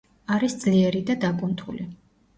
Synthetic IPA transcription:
aɾisd̪z̥liɛɾid̪ad̪akʼunt̪ʰuli

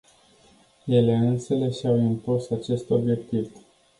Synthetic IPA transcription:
je̞le̞ɨnsele̞ʃawimpusat͡ʃe̞st̪o̞bje̞kt̪iv

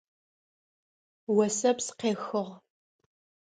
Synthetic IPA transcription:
wɐsɐpsqeːxɨʁ

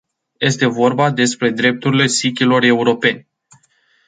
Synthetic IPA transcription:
je̞st̪e̞vo̞rbad̪e̞spɾe̞d̪ɾe̞p̚t̪uɾile̞sikʲilo̞re̞uɾo̞pe̞nʲ

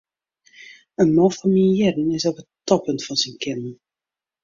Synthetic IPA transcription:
ənmɔfɔnmijɛdənɪsɔpəttɔpəntfɔnsinkɪnn

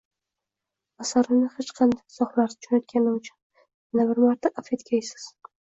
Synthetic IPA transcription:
asaɾɪnɪhɪt͡ʃqʰɑnd̪aksɒχlaɾsɪt͡ʃʰonjɒt̪̚kʲʰanɪʊt͡ʃʰʊ̥n | ɪnabɪɾmaɾt̪ʰaʔafet̪kʲʰajsɪ̥z̥

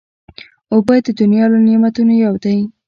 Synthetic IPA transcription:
obəd̪əd̪ʊnjɑlonimat̪unajawd̪a

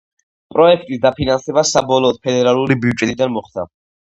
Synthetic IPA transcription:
pʼɾɔɛkʰt̪ʼisd̪apʰinansɛbasabɔlˠɔːd̪̥̚pʰɛd̪ɛɾalˠuɾibivd͡ʒt͡ʃʼɛt̪ʼid̪anmɔχd̪a̰

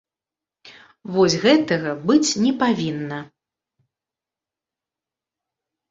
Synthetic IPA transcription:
vɔsʲɣɛt̪ɐɣɐbɨt͡sʲnʲɛpavʲinːɐ

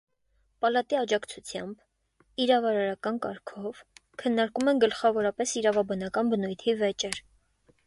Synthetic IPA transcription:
pɑlɑt̪iɑd͡ʒɑkt͡sʰut͡sʰjɑmb | iɾɑvɑɾɑɾɑkɑnkɑɾkʰɔvkʰənːɑɾkumɛnɡəlχɑvɔɾɑpɛsiɾɑvɑbɑnɑkɑnbənujt̪ʰivɛt͡ʃɛɾ

